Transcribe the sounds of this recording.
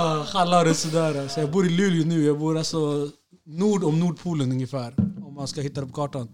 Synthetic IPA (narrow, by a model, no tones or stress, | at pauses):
hɑlɑɾəsəd̪æːɾsɔjæɪbuːɾɪlʉːljənʉːjæɪbuːɾɑsɔ | nuːɖɔmnuːɖpʰuːlənʉŋjəfæːɾɔmːɑnskɑhɪt̪ːad̪ɛpʰɔkʰɑːʈɑn